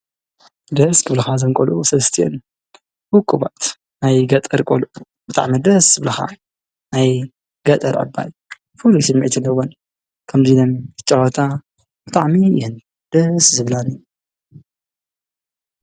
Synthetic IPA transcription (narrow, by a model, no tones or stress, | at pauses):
d̪ɐskʰɨβlɐxazɐnkʼolʔusɐlst̪ʰijɛ̰n | wʊkʼːubat̪ | najɡɐt̪ʼɐɾkʼolʔu | b̥ɨt̪ʼa̰ʕmid̪ɐsz̥ɨβlɐxa̰ | naj | ɡ̥ɐt̪ʼɐɾʕɨ̰bːa̰j | fulːisɨmːiʕt̪ʰɨlɐwon | kʰɐmzidɐmɨt͡ʃʼːɐwɐt̪ʰa | bɨt̪ʼaʕmijɪhɨn | d̪̥ɐszɨβlani